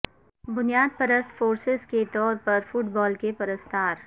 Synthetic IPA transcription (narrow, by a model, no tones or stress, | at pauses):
bʊnijaːd̪̚pɐɾəst̪foːɾsɪzket̪ɔːɾpɐɾfʊʈbɔːlkepɐɾəst̪ʰaːɾ